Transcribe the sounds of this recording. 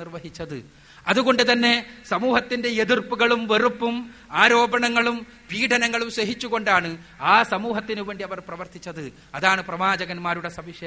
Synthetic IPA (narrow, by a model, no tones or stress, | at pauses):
irʋɐɦit͡ɕːɐðɨ | ɐðuɣo̞ɳɖɨt̪ɐnːe̞sɐmuːɦɐt̪ːinde̞eðirpuɣɐɭumʋe̞rupːumaːɾo̞ːbɐɳɐŋːɐɭum | biːʈʰɐnɐŋːɐɭumɕeɦit͡ɕːuɣo̞ɳɖaːɳɨ | aːsɐmuːɦɐt̪ːinuʋe̞ːɳɖiɐʋɐrprɐʋɐrt̪ʰit͡ɕːɐðɨ | ɐðaːɳɨprɐʋaːd͡ʑɐɣɐnmaːɾuɽe̞sɐmiʂe